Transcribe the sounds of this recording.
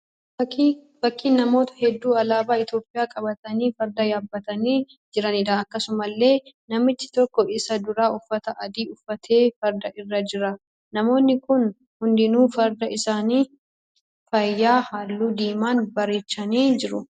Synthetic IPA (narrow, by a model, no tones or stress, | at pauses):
b̥ɐkːiːnːɐmo̞ːt̪ɐ̥hɛd̪ːuːɐlaːbaːɪt̪jo̞ːpʼːɪjaːkʼɐbɐt̪ɐniːfɐɾd̪ɐjaːbːɐt̪ɐniː | d͡ʒɪɾɐnɪd̪aɐkːɐsʊmɐlːe̞ː | nɐmɪt̪ːɪ̥t̪ɔkːɔʔɪsɐd̪ʊɾaːʊfːɐt̪ɐʔɐd̪iːʊfːɐt̪ʰe̞ːfɐɾd̪ɐʔɪrːɐd͡ʒɪɾɐ | nɐmo̞ːnːɪkʊn | hʊnd̪ɪnuːfɐɾd̪ɐɪsaːniː | fɐjːaːhaːlːuːd̪iːmaːnbɐɾeːt͡ʃːɐniːd͡ʒɪɾʊ